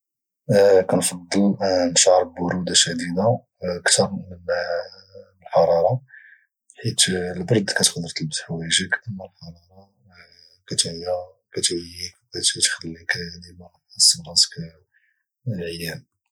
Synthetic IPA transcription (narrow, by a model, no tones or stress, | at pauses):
kænfɑd̪ˤːəlnʃʕɾˤbbʊɾud̪aʃæd̪id̪a | əkt̪ɑɾˤmən | əlħɑɾˤɑɾˤɑ | ħit̪lbɾɑd̪kæt̪qd̪əɾt̪əlbt̪ħwæjʒəkʔəmːælħɑɾˤɑɾˤɑ | kæt̪jæ | kæt̪kæt̪æt̪xəlːiklimæ | səmɾɑsk | lʕəjːæn